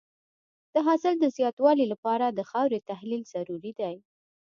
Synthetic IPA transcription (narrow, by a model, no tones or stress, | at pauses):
d̪̥əɦɑsɪld̪əzjɑt̪wɑlilapɑɾad̪əxɑwɾet̪ahlilz̥aɾuɾid̪aj